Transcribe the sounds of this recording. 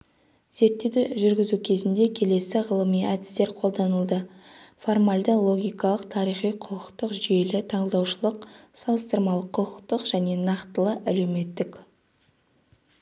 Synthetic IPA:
z̥e̞ɾt̪ːe̞wd̪ɪʒʏɾɡʲɪzukʲʰe̞zɪnd̪e̞kʲʰe̞le̞sɪʁəlˠəmijæd̪ɪ̥st̪e̞ɾqʰo̞lˠd̪ɑnəlˠd̪əfo̞rmalʲd̪əlˠo̞ɡʲijkɑlˠəq̚t̪ʰɑɾijχijqʰʊəqt̪əqʒʏje̞lɪt̪ʰɑɴəlˠd̪ɑwʃəlˠəqsɑlˠəst̪əɾmɑlˠəqʰːʊəqt̪əqʒ̥æne̞nɑqt̪əlˠəʔæle̞wme̞t̪ːɪk

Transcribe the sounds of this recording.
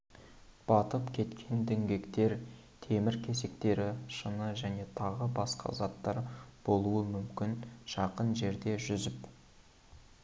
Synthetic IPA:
b̥ɑt̪əpkʲʰe̞t̪kʲʰe̞nd̪ɪŋɡʲe̞kt̪e̞ɾ | t̪ʰe̞mɪɾkʲʰe̞s̬e̞kt̪e̞ɾɪʃənəʒæne̞t̪ʰɑʁəbɑsqɑ̰zɑt̪ːɑɾb̥o̞lˠuəmʏmkʲɪnʃɑqənʒe̞ɾd̪e̞ʒʏzɪp

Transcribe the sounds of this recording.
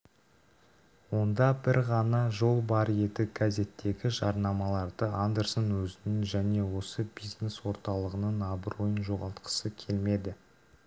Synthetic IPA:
wo̞nd̪ɑbɪɾʁɑnɑʒo̞lˠbɑɾje̞d̪ɪɡaze̞t̪ːe̞ɡʲɪʒɑɾnɑmɑlˠɑɾd̪əand̪eɾsonwɵzɪnɪnʒæne̞wo̞səbijzne̞swo̞ɾt̪ɑlˠəʁənəɴɑbɾojənʒo̞ʁɑlˠt̪qə̥səkʲʰe̞lme̞d̪ɪ

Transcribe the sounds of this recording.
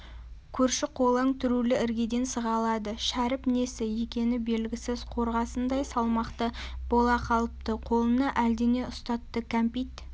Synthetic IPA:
kʲʰɵɾʃɪqʰo̞lˠəɴt̪ʰʏɾulɪʔɪɾɡʲe̞d̪e̞nsəʁɑlˠɑd̪əʃæɾɪpne̞sɪje̞kʲe̞nɪbe̞lɡʲɪsɪzqʰo̞ɾʁɑsənd̪ɑjsɑlˠmɑqt̪əb̥o̞lˠɑqʰɑlˠəp̚t̪əqʰo̞lˠənɑʔæld̪ene̞ʊst̪ɑt̪ːəkʲʰampijt̪

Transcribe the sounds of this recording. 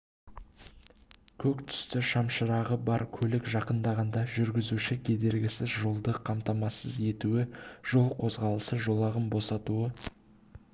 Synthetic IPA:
kʲʰɵkt̪ʰʏ̥st̪ɪʃɑmʃəɾɑʁəbɑɾkʲʰɵlɪkʒɑqənd̪ɑʁɑnd̪ɑʒʏɾɡʲɪzuʃɪkʲʰe̞d̪e̞ɾɡʲɪsɪzʒo̞lˠd̪əqʰɑmt̪ɑmɑsəze̞t̪uɪʒ̥o̞lˠqʰo̞zʁɑlˠəsəʒo̞lˠɑʁəmbo̞sɑt̪uə

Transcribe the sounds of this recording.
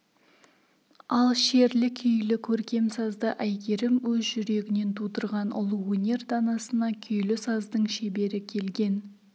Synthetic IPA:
ɑlˠʃe̞ɾlɪkʲʰʏjlɪkʲʰɵɾkʲe̞msɑzd̪əʔæjɡʲeɾɪmwɵzʒʏɾe̞ɡʲɪne̞nt̪ʰud̪əɾʁɑnʊ̰lˠəwɵnʲe̞rd̪ɑnɑsənɑkʲʰʏjlɪsɑzd̪əɴʃe̞be̞ɾɪkʲʰe̞lɡʲe̞n

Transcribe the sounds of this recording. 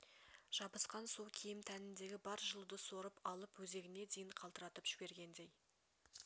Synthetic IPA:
ʒ̥ɑbəsqɑnsukʲʰejɪmt̪ʰænɪnd̪e̞ɡʲɪbɑɾʒəlˠud̪əso̞ɾəpɑlˠəpwɵze̞ɡʲɪne̞d̪ejɪɴqʰɑlˠt̪əɾɑt̪əpʒ̥ɪbe̞ɾɡʲe̞nd̪e̞j

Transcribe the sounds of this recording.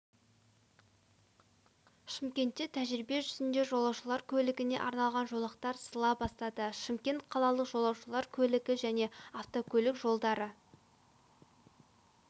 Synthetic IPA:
ʃɪmkʲe̞nt̪ːe̞t̪ʰæʒɾibe̞ʒʏzɪnd̪e̞ʒo̞lˠɑwʃəlˠɑɾkʲʰɵlɪɡʲɪne̞̰ʔɑɾnɑlˠʁɑnʒo̞lˠɑqt̪ɑɾsəlˠɑbɑst̪ɑd̪əʃɪmkʲe̞nt̪̚qʰɑlˠɑlˠəqʒo̞lˠɑwʃəlˠɑɾkʲʰɵlɪɡʲɪʒæne̞aft̪o̞kʲʰɵlɪkʒo̞lˠd̪ɑɾə

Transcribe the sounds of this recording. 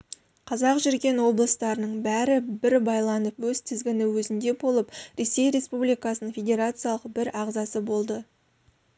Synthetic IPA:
qʰɑzɑqʒɪɾkʲe̞nwo̞blˠəst̪ɑɾənəɴbæɾɪbɪɾbɑjlˠɑnəpwɵzt̪ʰɪzɡʲɪnɪwɵzɪnd̪e̞bo̞lˠəpɾe̞se̞jɾe̞spublijkɑsənəɴfʲe̞dʲe̞ɾat̪sɨjɑlˠəqbɪɾɑʁzɑsəbo̞lˠd̪ə

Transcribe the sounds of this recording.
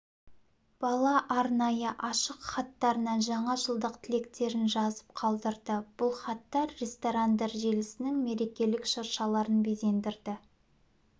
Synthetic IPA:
b̥ɑlˠɑʔɑɾnɑjəʔɑʃəqχɑt̪ːɑɾənɑnʒɑɴɑʒəlˠd̪əqt̪ʰɪle̞kt̪e̞ɾɪnʒɑzəp̚qʰɑlˠd̪əɾd̪əb̥ʊlˠχɑt̪ːɑɾɾest̪oɾand̪ɑɾʒelɪsɪnɪŋme̞ɾe̞kʲe̞lɪkʃəɾʃɑlˠɑɾənbeze̞nd̪ɪɾd̪ɪ

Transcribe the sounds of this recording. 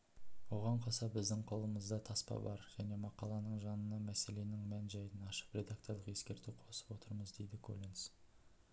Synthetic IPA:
wo̞ʁɑɴqʰɑsɑbɪzd̪ɪŋqʰo̞lˠəməzd̪ɑt̪ʰɑspɑ̰bɑ̰ɾʒ̥æne̞mɑqɑlˠɑnəɴʒɑnənɑmæse̞le̞nɪŋmænʒɑjd̪ənɑʃə̥pɾʲe̞d̪ak̚t̪o̞ɾlˠəqje̞skʲe̞ɾt̪uqʰo̞sə̥pwo̞t̪əɾməzd̪e̞jd̪ɪkʰo̰lʲins

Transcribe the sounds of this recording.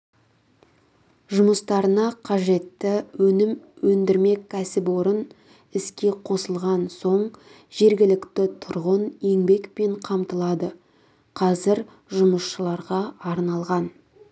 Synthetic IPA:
ʒʊməst̪ɑɾənɑqʰɑʒe̞t̪ːɪwɵnɪmwɵnd̪ɪɾme̞kʲʰːæsɪpwo̞ɾən | ɪskʲe̞qʰo̞səlˠʁɑnso̞ɴ | ʒe̞ɾɡʲɪlɪkt̪ɪt̪ʰʊɾʁəne̞ŋbe̞kpe̞ɴqʰɑmt̪əlˠɑd̪ə | qʰɑzɪɾ | ʒʊməsʃəlˠɑɾʁɑɑɾnɑlˠʁɑn

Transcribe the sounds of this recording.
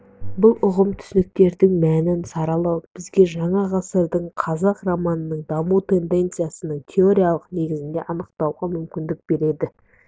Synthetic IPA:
bʊlˠʊʁəmt̪ʰʏ̥sɪnɪk̚t̪e̞ɾd̪ɪŋmænɪnsɑɾɑlˠɑwb̥ɪzɡʲe̞ʒɑɴɑʁɑsəɾd̪əɴqʰɑzɑqromɑnənəɴd̪ɑmut̪ʰe̞nd̪e̞nt̪sɨjasənəɴt̪ʲʰe̞oɾʲijalˠəqne̞ɡʲɪzɪnd̪e̞̰ʔɑnəq̚t̪ɑwʁɑmʏmkʲɪnd̪ɪk̚b̥e̞ɾe̞d̪ɪ

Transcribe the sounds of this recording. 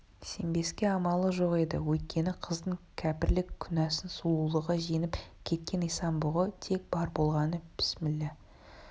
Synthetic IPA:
sembe̞skʲe̞ɑmɑlˠəʒo̞qed̪ɪ̰wɵjt̪̚kʲe̞nɪqʰəzd̪əɴkʲʰæpɪɾlɪkʲʰːʏnæsɪnsulˠulˠəʁɑʒenɪpkʲʰe̞t̪̚kʲe̞nijsɑnbʊʁət̪ʰe̞k̚b̥ɑɾbo̞lˠʁɑnəpʰɪ̥smɪlːe

